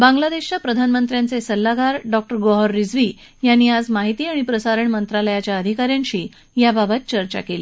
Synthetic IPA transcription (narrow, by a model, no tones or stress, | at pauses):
bãŋɡlad̪eɕt͡ɕapɾəd̪ʱanmənt̪ɾjãnt͡sesəlːaɡaɾɖɔk̚ʈəɾɡoɦɔɾːid͡zʋiː | janːiːad͡zmaɦit̪iːaɽ̃ipɾəsaɾəɳmənt̪ɾaləjat͡ɕjaəd̪ʱikaɾjãnɕiː | jababət̪̚t͡ɕəɾt͡ɕa̰keliː